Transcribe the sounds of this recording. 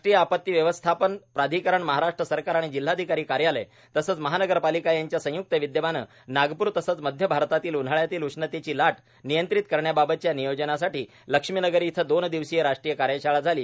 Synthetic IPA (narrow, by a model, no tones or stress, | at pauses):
ʈɾijəapət̪ːiʋjəʋəst̪ʰapənpɾad̪ʱikəɾəɳməɦaɾaʂʈɾəsəɾkaɾaɽ̃id͡ʑil̤ːad̪ʱikaɾiːkaɾjaləj | t̪əsəːt͡sməɦanəɡəɾpalikajaɲt͡ɕjasə̃juk̚t̪əʋid̪jəbanə̰ː | naɡpuːɾt̪əsət͡sməd̪ʱjəbʱaɾt̪at̪iːlun̤aɭjat̪iːluʂnət̪et͡ɕiːlaʈ | nijənt̪ɾit̪̚kəɾɳjababət̪̚t͡ɕjanijod͡ʑənasaʈiː | ləkʂmiːnəɡəɾit̪ʰəd̪ond̪iʋsijeɾaʂʈɾijəkaɾjəɕaɭad͡zʱaliː